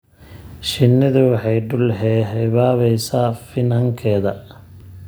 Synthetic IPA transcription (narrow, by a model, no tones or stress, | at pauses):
ʃɪnːɐðʊwɑħɑjɖʊlɦɛːɦɛβaːβɛjsaːfɪnhɐŋkʰɛːðɐ